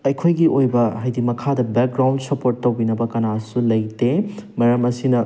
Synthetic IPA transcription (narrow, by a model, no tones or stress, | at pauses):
ɐjkʰojɡiʔojbɐɦajdimɐkʰadɐbek̚ɡɾaw̃ndsɐpoɾtːɐwbinɐbɐkɐnasulɐjtemɐɾɐmɐsinɐ